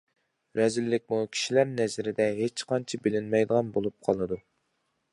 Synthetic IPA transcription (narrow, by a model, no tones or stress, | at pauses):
ɾɛzɪlːɪk̚ʲmukʲʰi̥ʃilæɾnɛzɪɾɪd̪ɛɦet͡ʃqɑnt͡ʃʰɑbɪlɪnmɛjd̪əʁɑnbolˠup̚qʰɑlˠɨd̪u